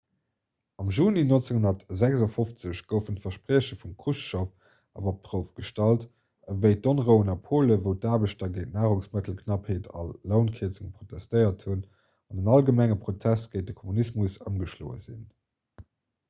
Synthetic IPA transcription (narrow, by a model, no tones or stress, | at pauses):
ɑmʒuːninont͡seŋhunɐtzækzɑfoft͡səɕɡ̥əʊfəntfɐʃpʁiəɕəfumkʰuʃʃof | ɑ̰vop̚tʁəʊfɡ̥əʃtɑlt | əvəɪdonʁəʊənɑpʰoːləvəʊtaːbəɕtɐɡeɪtnaːʁuŋsmətl̩kʰnɑpheːtʰɑ̰lːəʊnkʰiət͡səŋəpχotʰæstəɪɐthun | ɑnənɑlɡəmæŋəpʁotʰæst̚ɡ̥əɪt̚dəkʰomunismusəmɡəʃlo̰ːə̰zḭn